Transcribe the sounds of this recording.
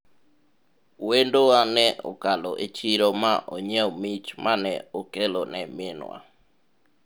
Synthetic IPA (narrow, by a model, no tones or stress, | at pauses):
wendoanɛʔɔ̰kaloʔet͡ʃiɾomaʔɔɲɛɔmit͡ʃmʔanɛokelonɛmɪnwa̰